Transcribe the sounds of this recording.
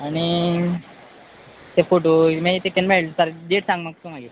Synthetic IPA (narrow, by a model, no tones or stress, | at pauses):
aɽ̃i | t̪efoʈomeit̪ekenmeɭsaɾɖeʈsãŋɡmək̚t̪ũmaɡit̪